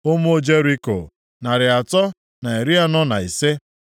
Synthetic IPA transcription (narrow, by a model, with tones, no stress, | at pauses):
o˦mu˦o˦d͡ʒe˦ɾi˦ko̰˨ | na˨ɾɪ˨a˨tɔ˦ | na˨e˨ɾi˦a˦nɔ˦na̰˨i˨se˦